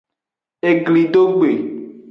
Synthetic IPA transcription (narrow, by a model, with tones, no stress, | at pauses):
e˨ɡli˨ɖo˦ɡ͡be˨